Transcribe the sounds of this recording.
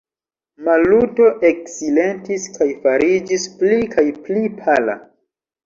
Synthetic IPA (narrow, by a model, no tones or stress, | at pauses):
maluto̞ʔeksile̞ntiskʰajfaɾid͡ʒisplikʰajplipʰala̰